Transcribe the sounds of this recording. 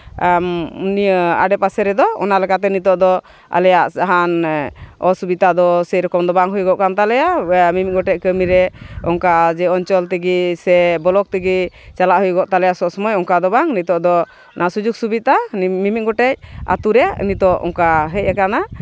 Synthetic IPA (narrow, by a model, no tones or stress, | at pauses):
mnia̰ɖɛpasɛɾɛd̪ɔɔ̰nalɛkat̪̬ɛnit̪ɔʔd̪ɔ | a̰lɛjaʔsaɦan | ɔsubit̪ad̪ɔsɛɾɔkɔmd̪ɔbaŋɦujɡɔʔkant̪alɛjamimit̪̚ɡɔʈɛc̚ˀkəmiɾɛɔŋkad͡ʒɛɔnt͡ʃɔlt̪ɛɡisɛbɔlɔk̚t̪iɡi | t͡ʃalaʔɦujɡɔʔt̪alɛjasɔsɔmɔjɔŋkad̪ɔbaŋnit̪ɔʔd̪ɔ | nʔasud͡ʒuk̚subit̪amimic̚ɡɔʈɛc̚a̰t̪uɾɛja̰nit̪ɔʔɔ̰ŋkaɦɛc̚ɛkana